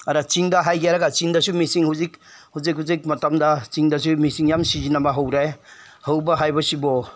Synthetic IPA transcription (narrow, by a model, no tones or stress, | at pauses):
aɾat͡ʃiŋdɐɦajɡijaɾaɡat͡ʃiŋdɐsumisiŋhuzikhuzik̚ɦhuzik̚mɐtamdɐt͡ʃiŋdɐsumisiŋjamsizinamɐɦawɾaj | hawbɐɦajbɐsibɔ